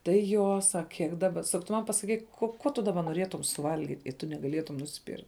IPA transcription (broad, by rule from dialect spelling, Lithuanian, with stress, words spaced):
tɐɪ ˈjoː ˈsɐk ˈkʲiɛk ˈdɑːbɐ ˈsɐk tʊ ˈmɐn pɐsɐˈkʲiːk koː ˈkuɔ tʊ dɐˈbɐ noːˈrʲiɛtʊm sʊˈʋɐlʲɡʲɪtʲ ɪ tʊ nʲɛɡɐˈlʲiɛtʊm nʊsʲˈpʲiːr